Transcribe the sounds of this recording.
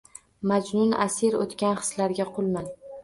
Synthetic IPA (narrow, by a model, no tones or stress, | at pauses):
mad͡ʒnʊna̰siɾo̰t̪kʲanχɨ̥slaɾɡʲaqʰʊlˠman